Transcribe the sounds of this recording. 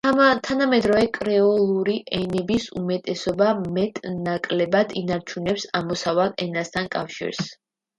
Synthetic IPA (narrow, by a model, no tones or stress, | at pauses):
t̪ʰanamɛd̪ɾɔvɛkʼɾɛɔlˠuɾiʔɛnɛbisumɛt̪ʼɛsɔbamɛt̪ʼnakʼlɛbad̪inaɾt͡ʃʰunɛpsamɔsavalˠɛnast̪ʰankʼa̰fʃḭɾs